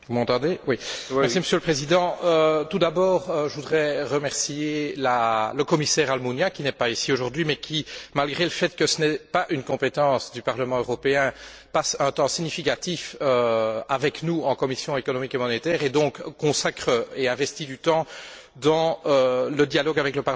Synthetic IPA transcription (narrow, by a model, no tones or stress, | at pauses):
vumɑ̃t̪ɑ̃d̪ewimmɛʁsiməsjøləpχezid̪ɑ̃øt̪ud̪abɔːʁøʒəvud̪ʁɛʁəmɛʁsielaləkɔmisɛːʁalmunjãkʲinɛpaisioʒuʁd̪ɥimɛkʲʰimalɡʁeləfɛt̪kəsənɛpaʔynkɔ̃pet̪ɑ̃ːsd̪ypaʁləmɑ̃øʁɔpeɛ̃pasœ̃t̪ɑ̃siɲifikat̪iføavɛknuɑ̃kɔmisjɔ̃ekɔnɔmikemɔnet̪ɛːʁed̪ɔ̃kkːɔ̃sakχəeɛ̃vɛst̪id̪yt̪ɑ̃ | d̪ɑ̃øləd̪jalɔɡavɛkləpa